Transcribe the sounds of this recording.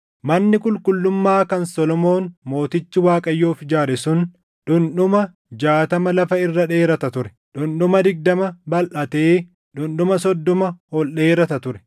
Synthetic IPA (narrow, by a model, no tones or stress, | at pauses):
mɐnːɪkʊlkʼʊlːʊmːaːkɐnsɔlɔmo̞ːnmo̞ːt̪ɪt͡ʃːɪwaːkʼɐjːoːfɪd͡ʒaːɾɛsʊn | ɗʊnɗʊmɐ | d͡ʒaːt̪ɐmɐlɐfɐɪrːɐᶑeːɾɐt̪ɐt̪ʊɾɛ̥ | ᶑʊnɗʊmɐd̪ɪɡ̚d̪ɐmɐbɐlʔɐt̪eː | ᶑʊnɗʊmɐsɔd̪ːɔmɐhɔlɗe̞ːɾɐt̪ɐt̪ʊɾɛ̥